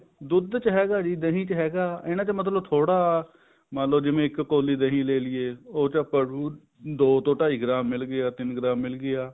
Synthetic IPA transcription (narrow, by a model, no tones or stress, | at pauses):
d̪ʊd̪t͡ʃəɦɛːɡaːd͡ʒiːd̪əɦĩːt͡ʃɦɛːɡaːɪnãːt͡ʃəmət̪̬ləbt̪ʰoːɽaː | mãːləd͡ʒɪʋẽːɪkːoːliːd̪əɦĩːleːlɪeːoːt͡ʃəpə | d̪oːt̪õːʈaːiːɡɾaːmːɪlɡɪaːt̪ɪnɡɾaːmːɪlɡɪjaː